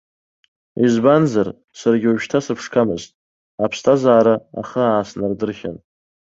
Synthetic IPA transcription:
izbanzar | sarɡʲɪuʒtʰasɨpʰʂkʰamɨztʼ | apʰstʰazaːɾaa̰χəaːsnardɨrχʲa̰n

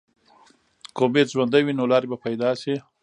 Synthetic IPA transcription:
komezwand̪awinolɑɾebapajd̪ɑsi

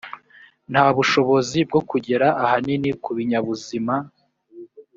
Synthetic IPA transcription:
n̥haːβuʃo̞βo̞zib̚ɡo̞kuɟe̞ɾaʔːhaninikuβiɲaβuzima

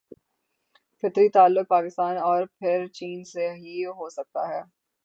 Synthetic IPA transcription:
fɪt̪ɾit̪aːlːʊk̚paːkɪst̪aːnɔːɾpʰɪɾt͡ʃiːnseɦiɦosɐk̚t̪a̰ɦɛː

